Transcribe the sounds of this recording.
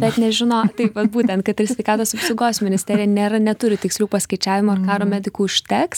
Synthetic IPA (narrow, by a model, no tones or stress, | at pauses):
bʲɛt̪nʲɛʒʲɪnoːt̪ɐɪpʋɐt̪̚buːt̪ʲɛnt̪̚kɐt̪ɪɾsʲʋʲɛɪkɑːt̪oːsɐpsoʊɡoːsmʲɪnʲɪsʲtʲɛːɾʲɪjɛnʲeːɾɐnʲɛt̪ʊɾʲɪt̪ʲɪksʲlʲuːpɐsʲkɐɪt͡ʃʲæːʋʲɪmoːɐrkɑːɾoːmʲæːd̪ʲɪkuːɪʃʲt̪ʲɛks